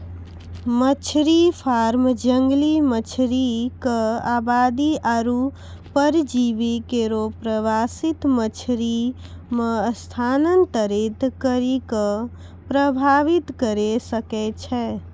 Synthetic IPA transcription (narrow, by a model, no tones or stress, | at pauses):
mət͡ʃʰɾipʰaɾmd͡ʒəŋɡlimət͡ʃʰɾikəabad̪iaɾu | pəɾd͡ʒibikeɾopɾəʋasit̪mət͡ʃʰɾi | mest̪ʰanənt̪əɾit̪kəɾikə | pɾəbʱaʋit̪kəɾesəkɛt͡ʃʰɛ